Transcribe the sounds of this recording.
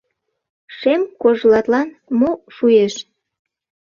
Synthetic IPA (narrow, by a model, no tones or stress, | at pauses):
ʃemkoʒlɑt̪lɑnmoʃujeʃ